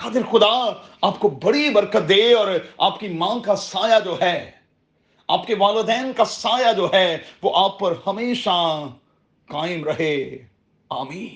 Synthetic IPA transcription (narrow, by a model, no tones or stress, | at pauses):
kaːd̪ɪɾxʊd̪aaːp̚kobɐɽibɐɾkət̪̚d̪eːɔːɾa̰ːpkimãːkasaːjad͡ʒoːɦɛː | a̰ːpkeʋaːlod̪ɛːnkasaːjad͡ʒoːɦɛʋoːʔaːpːɐɾhɐmeːʃa | kaːɪmɾɐɦeː | aːmiːn